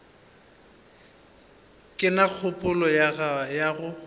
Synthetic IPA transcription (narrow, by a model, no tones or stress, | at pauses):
kʼɪnaq͡χʰʊpʼʊlɔjaɣajaɣʊ